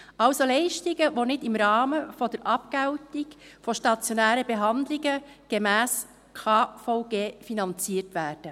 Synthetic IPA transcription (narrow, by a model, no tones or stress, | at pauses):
ʔɑwsolɛɪʃtiɡəʋonɪtɪmɾɑːməfɔdəɾʔɑp̚kæwtiɡfɔʃtɑt͡sjonæːɾəbeɦɑnd̪liɡəɡ̥emæːs | kʰɑːfɔʊɡ̥eːfinɑnt͡siːəɾtʋæːɾd̥ə